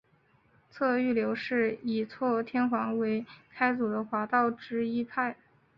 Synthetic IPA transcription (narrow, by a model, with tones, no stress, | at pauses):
t͡sʰɤ˥˧y˥˩ljo˧˥ʊʂɻ̩˥˩i˨˩t͡sʰwɔ˥˩t̪ʰjɛ˥nxwɑ˧˥ŋwe˧˥ɪkʰa˥ɪt͡su˨˩d̪ə˦xwa˧˥t̪ɑ˥˩ʊʈ͡ʂɻ̩˥i˥pʰa˥˩ɪ